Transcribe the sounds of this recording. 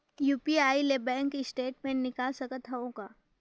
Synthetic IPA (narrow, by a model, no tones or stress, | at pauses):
juːpiaːilebɛ̃ːŋkɪsʈeːʈmẽnnːɪkaːlsɐkət̪ɦɛõkaː